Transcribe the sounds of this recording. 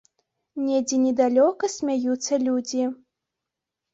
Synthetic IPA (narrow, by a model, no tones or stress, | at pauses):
nʲɛd͡zʲinʲɛd̪alʲɔkɐsʲmʲajut̪sːɐlʲud͡zʲi